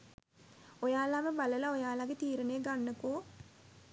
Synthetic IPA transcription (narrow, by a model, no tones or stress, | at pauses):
ojaːlaməbaləlaojaːlaɡet̪iːɾənejːɡanːəkoː